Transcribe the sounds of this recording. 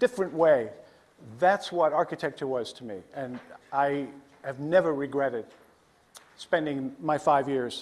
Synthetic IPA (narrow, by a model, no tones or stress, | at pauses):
d̥ɪfɹɨ̃nʔweɪ | ðætswʌɾɑɹkɨtʰɛk̚t͡ʃə˞wʌz̥tʰəmḭɨ̃naɪ | ɨvnɛvə˞ɹɨɡɹɛɾɨd̥̚ | spɛ̃ndɪ̃ŋmaɪfaɪvjɪɹz̥